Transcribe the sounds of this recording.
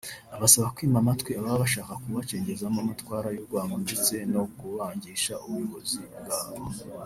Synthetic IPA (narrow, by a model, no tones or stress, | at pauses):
aβasaβakwiːmamatkwiaβaββaʃaːkakuβat͡ʃe̞ːɲɟe̞zamamatwaːɾajuɾɡwaːŋɡondet͡se̞no̞kuβaːɲɟiːʃaʔuβuɡozibɡaːβo